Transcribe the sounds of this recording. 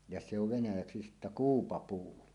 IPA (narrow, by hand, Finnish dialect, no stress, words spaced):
jɑ se oʋ ʋenæjæksi sitːæ kuːpɑpuː